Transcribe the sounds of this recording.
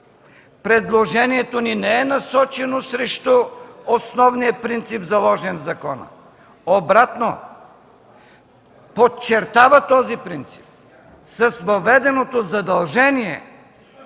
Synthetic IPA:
pɾɛd̪lˠoʒɛniɛt̪oninɛɛnɐsɔt͡ʃɛnosɾɛʃt̪oosnɔvnijəpɾint̪sipzɐlˠɔʒɛnvzɐkɔnə̰ | obɾat̪no | pot͡ʃɛɾt̪avɐt̪ɔzipɾint̪si̥p̚ | sɐsvɐvɛd̪ɛnot̪ozɐd̪ɐlˠʒɛniɛ̰

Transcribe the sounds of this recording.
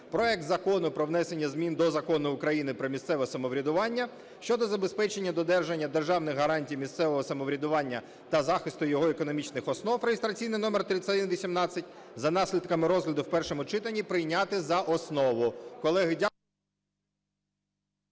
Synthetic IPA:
pɾɔɛk̚t̪zɐkɔnʊpɾɔʋnɛse̞nʲːɐzmʲind̪ɔzɐkɔnʊːkɾɐjinɪpɾɔmʲist̪sɛʋɔsɐmɔʋɾʲɐd̪ʊʋɑnʲːɐ | ʃt͡ʃɔd̪ɔzɐbespɛt͡ʃe̞nʲːɐd̪ɔd̪ɛrʒenʲːɐd̪erʒɑwnɪɣɦɐɾɑnʲtʲijmʲist̪sɛʋɔɦɔsɐmɔʋɾʲɐd̪ʊʋɑnʲːɐ | t̪ɐzɑxɪst̪ʊjɔɦɔekɔnɔmʲit͡ʃnɪxɔsnɔwfrejest̪ɾɐt͡sʲijnɪnɔmert̪ɾɪt͡sʲːɐd̪ɪnʋʲisʲimnɑt͡sʲːɐtʲzɐnɑsʲlʲid̪kɐmɪɾɔzɦlʲɐd̪ʊwpɛrʃɔmʊt͡ʃɪt̪ɐnʲːipɾɪjnʲat̪ɪzɐʔɔsnɔʋʊkɔlˠɛɦɪdʲ

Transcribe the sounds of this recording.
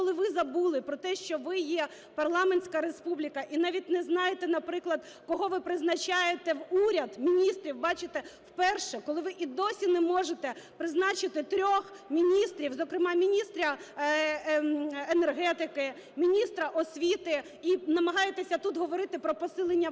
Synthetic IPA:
kɔlˠɪʋɪzɐbulˠɪpɾɔt̪ɛʃt͡ʃɔʋɪjɛ | pɐrlˠɑmenʲsʲkɐɾespublʲikɐʔinɑʋʲit̚ʲnɛznɑjet̪ɛnɐpɾɪklˠɐd̪ | kɔɦɔʋɪpɾɪznɐt͡ʃɑjet̪ɛwuɾʲɐd̪mʲinʲist̪ɾʲiwbɑt͡ʃɪt̪ɛwpɛrʃɛkɔlˠɪʋɪʔid̪ɔsʲinɛmɔʒet̪ɛpɾɪznɑt͡ʃɪt̪ɪt̪ɾʲɔx | mʲinʲist̪ɾʲiwzɔkɾɪmɑmʲinʲist̪ɾʲɐ | enerɦɛt̪ɪkɪ | mʲinʲist̪ɾɐʔɔsʲʋʲit̪ɪ | inɐmɐɦɑjet̪esʲɐt̪ut̪ɦɔʋɔɾɪt̪ɪpɾɔpɔsɪlˠenʲːɐ

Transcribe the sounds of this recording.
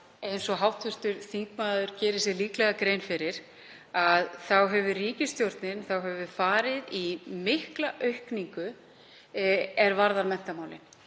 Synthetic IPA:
ejnsɔɦawht̪vʏr̥t̪ʏɾ̥θiːk̚maːðʏɾcɛːɾɪsjɛliːklɛɣakɾejnfɪɾɪɾ̥ | aðθawɦɛvʏriːcɪst̪jowɾ̥t̪nɪnθawɦɛvʏfaːɾɪðimɪhklaʔœɥhkniŋkʏ | ɛɾvaɾðaɾmɛn̥t̪amaːwlɪ̰

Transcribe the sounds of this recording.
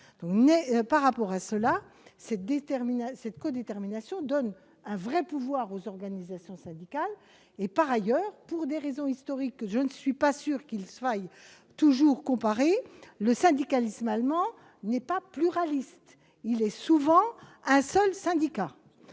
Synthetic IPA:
d̪̥ɔ̃knɛpaʁːapɔʁasəlasɛt̪̚d̪et̪ɛʁminasɛt̪kod̪et̪ɛʁminasjɔ̃d̪ɔn | ɛ̃vʁɛpuvwaʁozɔʁɡanizasjɔ̃sɛ̃d̪ikal | epaʁajœːʁpuʁd̪eʁezɔ̃ist̪ɔʁikʒənəsɥipasyːʁkilfaj | t̪uʒuʁkɔ̃paʁeləsɛ̃d̪ikalismalmɑ̃ | nɛpaplyʁalist̪ | ilɛsuvɑ̃ɛ̃sœlsɛ̃d̪ika

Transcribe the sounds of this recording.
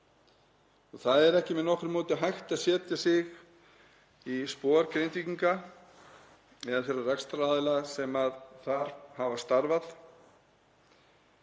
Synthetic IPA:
ɔɣθaðɛɾɛhcɪmɛðnɔhkɾɪmɔːt̪ɪaɦajxt̪asjɛːt̪jasɪɣ | ispɔːaɾkɾejnt̪viciŋka | ɛðafjɛɾarɛkst̪ɾaːðɪlasɛmaðθaɾ̥havast̪aɾvað

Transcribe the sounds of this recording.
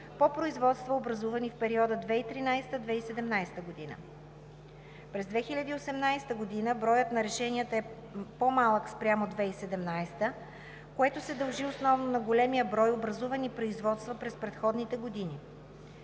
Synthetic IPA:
popɾoizvɔt̪st̪vəobɾɐzuvənifpɛɾiɔd̪əd̪vɛit̪ɾinajst̪əd̪vɛisɛd̪ɛmnajst̪əɡod̪inə̰ | pɾɛzd̪vɛxilʲɐd̪iːosɛmnajst̪əɡod̪inəbɾɔjət̪nɐɾɛʃɛniət̪əɛ | pomalˠəkspɾʲjamod̪vɛisɛd̪ɛmnajst̪ə | koɛt̪osɛd̪ɐlˠʒiosnɔvnonɐɡolɛmijəbɾɔjobɾɐzuvɐnipɾoizvɔt̪st̪vəpɾɛspɾɛt̪xɔd̪nit̪ɛɡod̪ini

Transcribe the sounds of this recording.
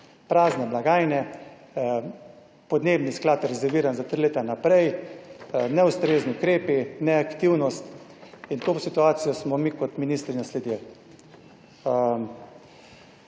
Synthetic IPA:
pɾaːznɛblaɡaːjnɛ | pɔd̪neːbnisklaːt̪ɾɛzɛɾʋiːɾanzat̪ɾileːt̪anapɾɛj | nɛust̪ɾeːzniʊkɾeːpinɛakt̪iwnɔst̪ | int̪oːsit̪uaːt̪sijɔsmɔmikɔt̪miniːst̪ɾinaslɛd̪il

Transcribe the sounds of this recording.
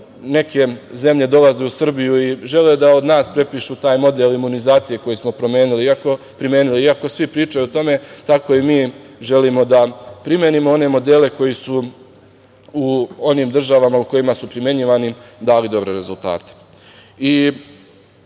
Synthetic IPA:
ne̞ke̞ze̞mʎe̞d̪o̞lazeusr̩bijuiʒe̞led̪ao̞d̪naːspɾe̞piːʃut̪aːjmo̞d̪elimunizaːt̪sije̞ko̞jismo̞pɾo̞mje̞ːnuliiako̞ | pɾimje̞ːniliiako̞sʋipɾiːt͡ʃajut̪o̞me̞t̪ako̞imiːʒe̞limo̞d̪apɾimʲjeːnimoo̞ne̞mo̞d̪e̞ːle̞ko̞jisu | uo̞niːmd̪r̩ʒaʋamauko̞jimasupɾimje̞ɲiʋanid̪aːlid̪o̞bɾe̞ɾe̞zulˠt̪a̰ːt̪e̥ | i

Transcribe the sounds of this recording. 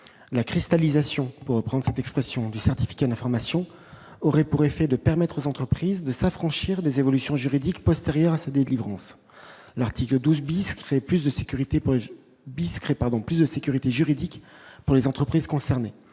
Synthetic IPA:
lakχist̪alizasjɔ̃puʁːəpχɑ̃d̪ʁəsɛt̪ɛkspχɛsjɔ̃d̪ysɛʁt̪i̥fi̥kad̪ɛ̃fɔʁmasjɔ̃ | ɔʁɛpuʁefɛd̪əpɛʁmɛt̪χozɑ̃t̪χəpχizd̪əsafχɑ̃ʃiʁd̪ezevɔlysjɔ̃ʒyʁid̪ikpɔst̪eʁjœʁasad̪elivʁɑ̃s | laʁt̪ʰikləd̪uzbiskχeplysd̪əsekʲyʁit̪e | biskχepaʁd̪ɔ̃plysd̪əsekʲyʁit̪eʒyʁid̪ikpuʁlezɑ̃t̪χəpχiz̥kɔ̃sɛʁne

